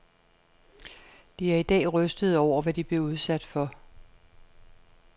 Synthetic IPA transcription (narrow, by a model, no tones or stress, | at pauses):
d̥iæɐid̥ɛ̰ːʁœsd̥ð̞̩ˠɒʊ̰ɐʋæd̥ib̥le̝uð̞ˠsæd̥fɒ̽